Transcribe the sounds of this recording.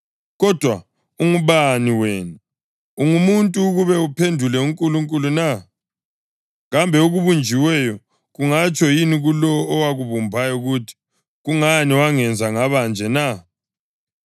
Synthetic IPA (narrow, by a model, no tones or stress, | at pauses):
ɣɔd̥ʱwa | uŋuβaniweːnu | uŋumuntʼuːɣuβɛupʰendʱulɛuŋkʼuluŋkʼuluna | ɣambʱɛuɣuβund͡ʒʱiwɛjɔ | ɣuŋat͡ʃʰʼɔjiniɣulɔːwaɣuβumbʱajɔuɣutʰi̥ | ɣuŋaniwaŋɛnd͡zʱaŋaβand͡ʒʱɛna